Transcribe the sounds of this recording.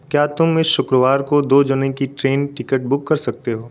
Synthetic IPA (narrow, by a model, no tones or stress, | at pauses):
kjaːt̪ʊmɪsʃʊkɾəʋaːɾkod̪oːd͡ʒʊnẽkiʈɾeːnʈɪkəʈ̚bʊkːɐɾsɐk̚t̪eɦoː